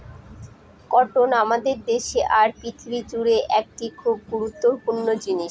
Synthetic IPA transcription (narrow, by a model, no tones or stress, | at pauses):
kɔʈonamad̪eɾd̪eʃeʔaɾpit̪ʰɾid͡ʑuɾeʔɛk̚ʈikʰub̚ɡuɾut̪ːoɾpuɾnod͡ʑiniʃ